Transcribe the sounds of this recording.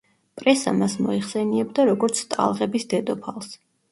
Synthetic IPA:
pʼɾɛsa̰masmɔiχsɛniɛbd̪aɾɔɡɔɾt̪sʰt̪ʼa̰lˠʁɛbisd̪ɛd̪ɔpʰalˠs

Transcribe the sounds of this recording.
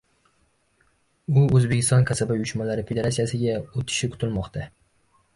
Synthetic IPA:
ʊɵzbekʲɪ̥st̪ɒnkʰasabajʊʃmalaɾɪfed̪e̞ɾat̪sijasɪɡʲaot̪ʰɪ̥ʃɪkʰʊ̥t̪ʰɪlmɒqt̪ʰa

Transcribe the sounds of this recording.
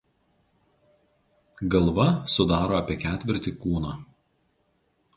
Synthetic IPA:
ɡɐlˠʋɐsʊd̪ɑːɾoːɐpʲiɛkʲæːt̪ʲʋʲɪɾʲt̪ʲiːkuːnɑː

